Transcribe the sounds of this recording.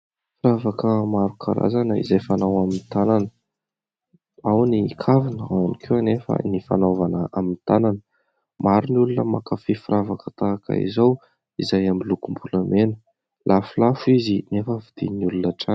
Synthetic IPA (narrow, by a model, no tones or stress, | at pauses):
fɾavakəmaɾukʰa̰ɾa̰zanəḭzajfanawamint̪ananə̥ | awnikʰavinəanikʰewanefə̰nifa̰novanəʔamint̪ananə | maɾunulunəmakafefuɾavakət̪aːkə̰ḭzaw | izajamilukumbuləmenə̥ | lʔafulafuizinefəvid̪̥ḭnulunəʈ͡ʂa